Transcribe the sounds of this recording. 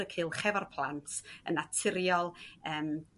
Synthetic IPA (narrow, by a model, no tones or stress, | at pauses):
əkʰɨːlˠχɛvarpʰlˠantʰə̰natʰɪɾjɔlˠəːm